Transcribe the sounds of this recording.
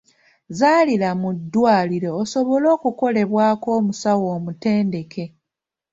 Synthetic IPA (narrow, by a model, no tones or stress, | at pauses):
zaːlilamudːwaːliɾo̞ːso̞βo̞lo̞ːkuko̞le̞βwaːko̞ːmusawo̞ːmute̞ːnde̞ke̞